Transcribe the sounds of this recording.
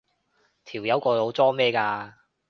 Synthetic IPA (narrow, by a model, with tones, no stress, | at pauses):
t̪ʰiː˨˩wjɐ˨˧˥wkɔː˧lo˨˧wt͡sɔː˥mɛː˥kaː˧